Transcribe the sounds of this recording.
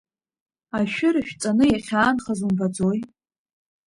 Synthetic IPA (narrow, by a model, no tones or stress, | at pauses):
aʃᶣʊɾɨʃᶣt͡sʼanɨjaχʲaːnχazumbad͡zoj